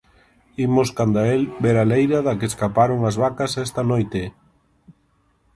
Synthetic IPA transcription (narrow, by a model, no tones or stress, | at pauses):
imoskand̪aelbeɾalejɾaðɐkeeskapaɾoŋɐzβakasɛst̪anojt̪e